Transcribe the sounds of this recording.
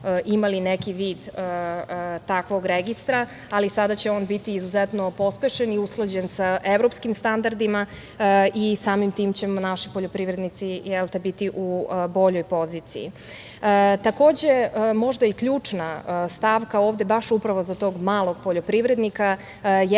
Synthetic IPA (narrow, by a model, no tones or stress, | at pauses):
ʔimalinekiʋiːd̪ə | t̪akʋo̞ɡɾeɡist̪ɾa | alisad̪at͡ɕeo̞ːnbit̪iːzuzet̪no̞po̞speʃeniusklˠad͡ʑensaʔeʋɾo̞pskimst̪and̪aɾd̪ima | isaːmimt̪iːmt͡ɕemnaʃi̥poʎopɾiʋɾed̪nit̪sijelˠt̪ebit̪iʔubo̞ʎojpo̞ziːt̪sḭjḭ | t̪ako̞ːd͡ʑe̞mo̞ʒd̪aikʎuːt͡ʂnast̪aːʋkaoːʋd̪e̞baʃupɾaʋo̞zat̪o̞ːɡmaːlˠo̞ɡ̥̚poʎopɾiʋɾed̪nika | j